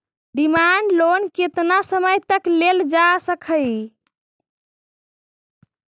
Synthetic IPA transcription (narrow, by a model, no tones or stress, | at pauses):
ɖimaɳɖlonket̪nasəməjt̪əkleld͡ʒasəkʰəj